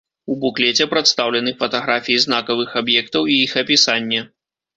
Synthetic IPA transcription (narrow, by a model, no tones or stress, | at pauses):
ubuklʲɛt͡sʲɛpɾat̪st̪awlʲɛnɨfɐt̪aɣɾafʲijiznakɐvɨxabjɛk̚t̪ɐwiixɐpʲisanʲːɛ